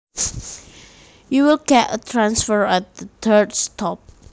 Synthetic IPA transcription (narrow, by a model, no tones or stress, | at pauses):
juwɪlkɛʔə̰tʰɹãnsfəɹɛt̚dət̪ʰədstʰɔp̚